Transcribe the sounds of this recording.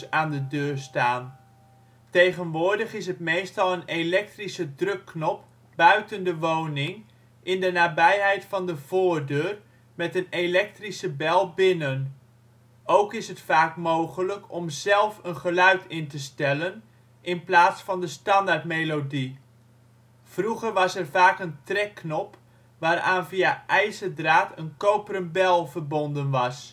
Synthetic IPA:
aːndədøːɹstaːn | tejχənʋʊːɹdəχɪsɦətmejstɑlˠənelɛk̚trisədrɵkːnɔp̚ | b̥œɥtəndəʋownɪŋ | ʔɪndənaːbɛjɦɛjtfɑndəv̥ʊːɹdøːr | mɛtənelɛk̚trisəbɛlˠbɪnən | owkɪsɦətfaːkmowɣələkʰɔmzɛlˠfənχəlœɥtɪntəstɛlən | ɪnplaːtsfɑndəstɑndartmelodi | fruɣərʋɑsɛrvaːkəntrɛkːnɔp | ʋaːɾaːnviaʔɛjsədraːtʰənkowpərənbɛlˠvərbɔndənʋɑs

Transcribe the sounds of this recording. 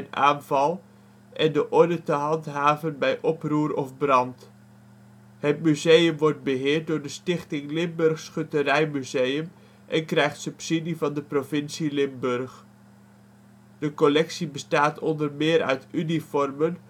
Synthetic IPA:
ənʔa̰ːnvɑlˠ | ʔɛndəʔɔɹdətəɦɑntɦaːvənbɛjʔɔpruːrɔfbrɑnt | hətmyzejəmʋɔrt̚bəɦɪːrt̚dʊːɹdəstɪχtɪŋlɪmbɵrχsχøtərɛjmyzejəm | ʔɛnkrɛjχtsɵpsidivɑndəprovɪnsilɪmbørχ | d̥əkɔlɛksibəstaːtʰɔndərmɪːɾœ̰ɥtynifɔrmən

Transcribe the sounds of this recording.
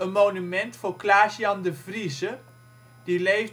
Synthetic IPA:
ənmoːnymɛntfʊːɹklaːziɑndəvrizə | d̥ilejv

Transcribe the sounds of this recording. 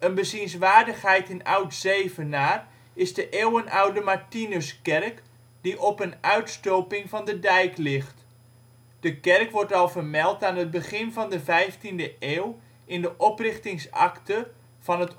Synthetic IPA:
ənbəzinsʋaːrdəχɦɛjtɪna̰wtsejvənaːr | ɪzdəʔeːwənawdəmaɹtinəskɛrk | diʔɔpənœɥtstowpɪŋvɑndədɛjklɪχt | d̥əkɛrkʋɔɹtɑlˠvərmɛlˠtaːnɦəd̚bəχɪnvɑndəvɛjftindəʔeːw | ɪndəʔɔprɪχtɪŋsɑ̰ktə | v̥ɑnɦət

